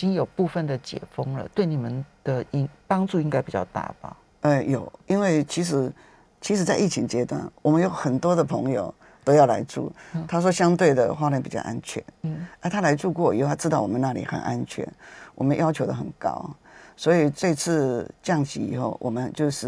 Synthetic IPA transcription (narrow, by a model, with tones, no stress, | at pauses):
i˨t͡ɕi˥ŋjo˨˩pu˥˧fə˨nd̪ə˩t͡ɕjɛ̰˨˩fɤ˥ŋlə̰˨t̪we˥˩ɪni˨˩mə˦nd̪̥ə˨i˥ŋpɑ˥ŋʈ͡ʂu˥˧i˥ŋka˥ɪpi˨˩t͡ɕjɑ̰˥˧ʊt̪a̰˥˩ba̰˨˩ | ə˧jo˨˩˦ʊi˥nwe˥˩ɪt͡ɕʰi˧˥ʂ̬ɻ̩˧˥ | t͡ɕʰi˧˥ʂ̬ɻ̩˧˥t͡sa˥˧ɪʔi˥˩t͡ɕʰi˧˥ŋt͡ɕjɛ˥t̪wa̰˥˩nwɔ˨mə˦njo˧˥ʊxə˨˩nt̪wɔ˥d̪ə˨pʰɤ˧˥ŋjo˨ʊ | t̪o˥ʊjɑ˥˩ʊla̰˧˥ɪʈ͡ʂṵ˥˩t̪ʰa˥ʂ̬wɔ˥ɕjɑ˥ŋt̪we˥˩ɪd̪ə̰˩xwa˥ljɛ˥npi˨˩t͡ɕjɑ̰˥˧ʔa˦˥nt͡ɕʰɥɛ̰˧˦n̩˥˩ə˥˧t̪ʰa˥la˧˥ɪʈ͡ʂu˥˧kwɔ˥˩ḭ˨˧˥o˥˧˩t̪ʰa˥ʈ͡ʂɻ̩˥t̪ɑ˥˩ʊwɔ˨mə˦na˥˩lḭ˨˩xə̰˨˩nʔa˦˥nt͡ɕʰɥɛ̰˧˦nwʔɔ̰˨˩mə˦njɑ˥ʊt͡ɕʰo˧˥ʊd̪ə˧˨xə˨˩nkɑ̰˦˥ʊswɔ˧˥i˨˩t͡se˥˧ɪt͡s̩ʰ˥˧t͡ɕjɑ˥˨˩ŋɕḭ˧˥ḭ˨˩xo˥˩ʊwʔɔ˨˩mə˦nt͡ɕjo˥˧ʊʂɻ̩˥˩